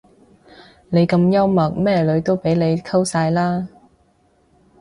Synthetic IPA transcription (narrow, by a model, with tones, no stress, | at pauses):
ne˨˧jkɐ˧mjɐ˥wmɐ˨k̚mɛː˥lɵ˨˧ɥt̪o˥wpe˨˥jle˨˧jkʰɐ˥wsaː˧jlaː˥